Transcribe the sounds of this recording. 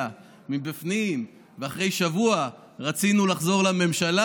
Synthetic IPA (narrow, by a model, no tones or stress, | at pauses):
a | mibifnim | veaχʁe̞jʃavua | ʁat͡sinulaχzo̞ʁlame̞mʃala